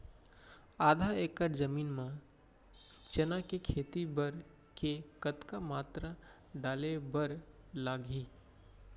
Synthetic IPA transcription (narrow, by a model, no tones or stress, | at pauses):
aːd̪ʱaekəɾd͡ʒəmiːnmẽ | t͡ʃənakekʰeːt̪ibəɾ | kekət̪kamaːt̪ɾa | ɖaːlebəɾ | laːɡʱi